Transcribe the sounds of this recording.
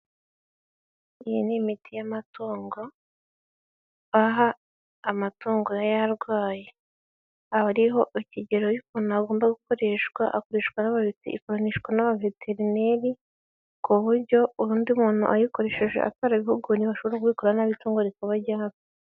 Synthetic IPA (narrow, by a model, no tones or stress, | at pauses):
ijḭnimitʰijamatoːŋɡo̞ | βaɦaː | matoːŋɡo̞jajaɾɡwaːje | aβaɾiɦo̞ʔiciɟeɾojikonuaɡo̞ːmbaɡuko̞ɾe̞ʃkwaʔako̞ɾe̞ːʃkwanaβaβitḭikoɾaniʃwanaβavetʰeɾine̞ɾi | kuβuɾɟo̞uɾuːndiumuːn̥ṵʔajiko̞ɾe̞ːʃeʒwe̞̰ʔa̰twaːɾaiβiɦuɡuniβaʃoβoɾakuβikoɾanaβituːŋɡoɾikuβaɟaːβo